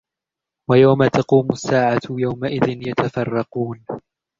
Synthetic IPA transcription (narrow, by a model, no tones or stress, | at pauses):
wajawmat̪ɑquːmʊsːaːʕajawmaʔɪðɪnjat̪afɑrˤːɑquːn